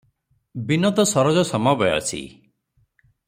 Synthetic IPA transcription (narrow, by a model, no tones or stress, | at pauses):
binɔt̪ɔsɔɾɔd͡ʒɔsɔmabɔjɔ̰sʰḭ